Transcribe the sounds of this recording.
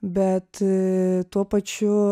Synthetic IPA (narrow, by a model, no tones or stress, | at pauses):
bʲɛt̪ | t̪uɔpɐt͡ʃʲʊ